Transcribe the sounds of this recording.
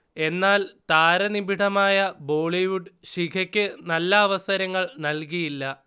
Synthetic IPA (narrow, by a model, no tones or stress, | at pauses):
e̞nːaːlt̪aːɾɐnibʱiʈɐmaːjɐbo̞ːɭiʋuɖɕikʰɐkʲːɨnɐlːɐːʋɐsɐɾɐŋːɐɭnɐlkijilːɐ